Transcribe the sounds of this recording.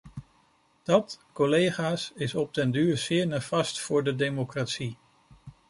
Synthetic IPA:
d̥ɑtkolejχaːsɪsɔp̚tɛndyːɹsɪːɹnəvɑstfʊːɹdədejmokraːtsi

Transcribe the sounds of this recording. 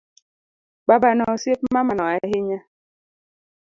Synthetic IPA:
babanɔsjep̚mamanɔahiɲa

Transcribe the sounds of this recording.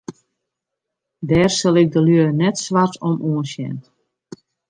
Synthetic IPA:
dɛːrsəlˠɪɡ̚dəljøənɛtsʋartɔmʔuənsjɛ̰nt

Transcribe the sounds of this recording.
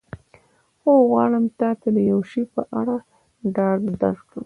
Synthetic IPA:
xoɣwɑɽəmt̪ɑt̪ad̪əjawʃipəʔaɽa | ɖɑɖd̪a̰ɾkɽə

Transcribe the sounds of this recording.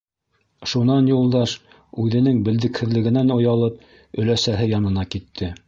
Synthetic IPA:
ʃunɑnjulˠd̪ɑʃ | ʉðɘ̆nɘŋbɘ̆ld̪ɘ̆khɘ̆ðlɘ̆ɡɘ̆nænŏjɑlˠɤp̚ | ɵ̆læsæɦɘjɑnɤ̆nɑkit̪ʰːɘ

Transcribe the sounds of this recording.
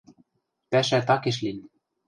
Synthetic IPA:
pæʃæt̪ɑkeʃ̬linʲ

